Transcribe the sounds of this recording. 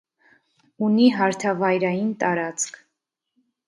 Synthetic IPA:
uniɦɑɾt̪ʰɑvɑjɾɑjint̪ɑɾɑt͡sʰkʰ

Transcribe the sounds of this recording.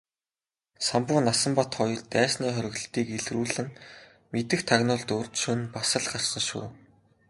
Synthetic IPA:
sampʊːnasə̆mpat̪χɔj̆ɮt̪æːsniːχœɾʲɪ̆ɣɮ̆t̪iːkeɮruːɮɘ̆n | met̪ɘ̆xt̪ʰaɣnʊːɮt̪ʊrt̪ʃɵnpasə̆ɮχarsə̆nʃṵː

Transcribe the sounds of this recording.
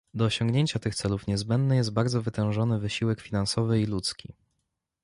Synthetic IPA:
d̪ɔːɕɔŋɡɲeɲt͡ɕat̪ɘxt̪sɛlufɲɛzbɛnd̪nɘjɛs̬t̪̚baɾd̪zɔvɘt̪ɛ̃w̃ʐɔnɘvɘɕiwɛkfʲinansɔvɘilut̪skʲi

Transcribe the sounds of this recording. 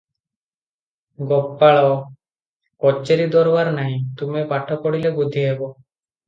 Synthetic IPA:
ɡɔpːaɭɔ | kɔt͡ʃːeɾid̪ɔɾbaɾnaɦĩt̪umepaʈʰɔkɔɽilebud̪ʱiebɔ

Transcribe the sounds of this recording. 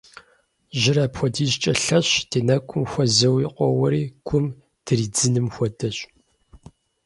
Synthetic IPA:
ʒɪɾaːpxʷɔdiːzt͡ʃʼɐɬɐɕdʰeːnɐkʷʰʼʊmxʷɔzɐwiqʷɔwɐɾiːkʷʰʼʊm | d̥ɨriːd͡zɨnɨmxʷɔdɐɕʼ

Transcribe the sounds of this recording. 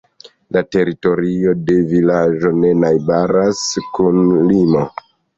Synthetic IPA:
late̞ɾito̞ɾio̞de̞vilad͡ʒo̞ne̞najbaɾaskunlimo̞

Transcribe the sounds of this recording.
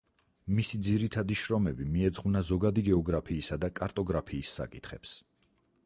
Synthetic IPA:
misid̪ziɾit̪ʰad̪iʃɾɔmɛbimiɛd̪zʁunazɔɡad̪iɡɛɔɡɾapʰiːsad̪akʼaɾt̪ʼɔɡɾapʰiːsːa̰kʼit̪ʰχɛps

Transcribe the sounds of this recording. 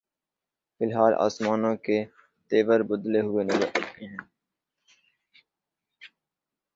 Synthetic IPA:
fɪlɦaːlʔa̰ːsmaːnõːke | t̪eːʋəɾbʊd̪leɦʊenɐzəɾɐt̪eɦɛ̃ː

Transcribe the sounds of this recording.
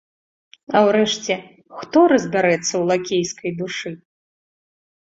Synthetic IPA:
ɐwɾɛʂt͡sʲɛ | xt̪ɔɾɐzʲbʲaɾɛt̪sːɐwlˠakʲejskɐjd̪uʂɨ

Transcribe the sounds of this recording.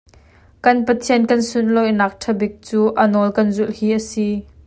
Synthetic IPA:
kɐnpɐt̪ʰiənkɐnsʊnlɔjnaːk̚ʈʰɐbik̚t͡suːʔɐnɔlkɐnzʊlhiːʔɐsi

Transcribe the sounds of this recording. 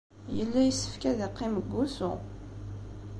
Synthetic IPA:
jəlːæjəsːə̥fkæðiqːeməɡːusʊ̰

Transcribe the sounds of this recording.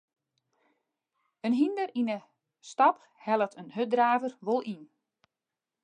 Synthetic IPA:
ənɦindəɾinə | stɑp | hɛlˠətʰənɦødraːvərʋolˠin

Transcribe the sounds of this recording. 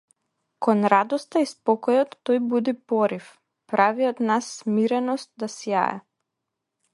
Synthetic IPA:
kɔnɾad̪ɔst̪aispɔkɔjɔt̪ːɔjbud̪ipɔɾif | pɾaviɔd̪nasːmiɾɛnɔst̪̚d̪asja̰ɛ̰

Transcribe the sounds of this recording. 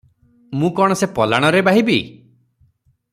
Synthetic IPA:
mũkɔɽ̃ɔsepɔlaɽ̃ɔɾebaɦibi

